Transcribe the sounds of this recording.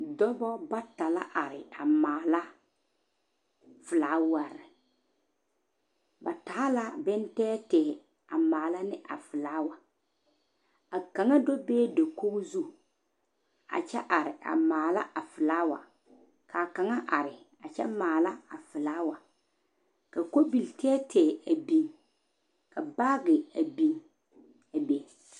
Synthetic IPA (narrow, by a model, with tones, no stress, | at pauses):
dɔ˦bɔ˦ba˦ta˨la̰˦ʔa˨ɾɪ˨a˨maː˨la˦ | fɨ˨laː˦wa˨ɾɪ˨ | ba˨taː˨˦la˦bɛ˦ntɛː˦tɛ˨ | a˨maː˨la˦nɪ˦ʔa̰˨fɨ˨laː˦wa˨ | a˨ka˨ŋa˦do˦beː˦do˨ko˦ɣzu˦ | a̰˨t͡ʃɛ˦ʔa˨ɾɪ˨a̰˨maː˨la˦ʔa˨fɨ˨laː˦wa̰˨ | kʰa˨ka˨ŋa˦ʔa˨ɾɪ˨ | a˨t͡ʃɛ̰˦maː˨la˦a˨fɪ˨laː˦wa˨ | ka˨ko˦bi˨ltɛː˦tɛː˨a˨bi˦ŋ | ka˨ba˦ɡɪ˨a˨bi˦ŋ | a˨be˨